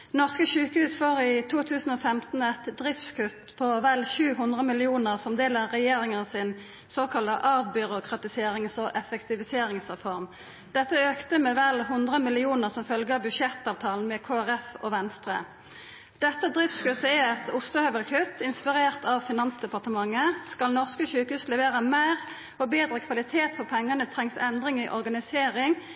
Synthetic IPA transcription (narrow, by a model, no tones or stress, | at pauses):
nɔʁskəʃʉːkəhʉːsfoːʁɪt̪ʰuːt̪ʰʉːsn̩ɔfɛmt̪n̩ɛt̪d̪ʁɪft̪skʉt̪pʰɔʋælçʉːɦʉnd̪ʁəmɪlɪuːnəʁsɔmd̪eːləʁɛjeːʁɪŋənəsɪn | soːkʰɑləʔɑʋbʏʁʊkʁɑt̪ɪseːɾɪŋsɔʔɛfɛkt̪ɪʋɪseːɾɪŋsʁɛfɔʁm | d̪̥ɛt̪ːəøːkt̪əmɛːʋælɦʊnd̪ʁəmɪlɪuːnəʁsɔmfœlɡəɑbʉʃɛt̪ɑːʋt̪ʰɑːln̩mɛkʰoːæʁɛfɔːʋɛnst̪ʁə̰ | d̪̥ɛt̪ːəd̪ʁɪft̪skʉt̪ːəɛɛt̪ʊst̪əhœʋəlkʰʉt̪ːɪnspɪʁeːʁt̪ɑʋfɪnɑnsd̪ɛpɑʁt̪əmɑŋːəskɑlnɔʁskəçʉːkəhʉːslɛʋeːʁəmæɪʁ | ɔbeːd̪ʁəkʰʋɑlɪt̪ʰeːt̪fɔʁpʰɛŋːənət̪ʰʁɛŋsɛnd̪ʁɪŋiʔɔʁɡɑnɪseːʁɪŋ